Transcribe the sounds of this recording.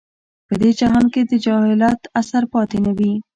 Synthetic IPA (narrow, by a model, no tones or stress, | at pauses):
pəd̪ed͡ʒaɦɑnked̪əd͡ʒɑhɪlɑt̪asaɾpɑt̪enawi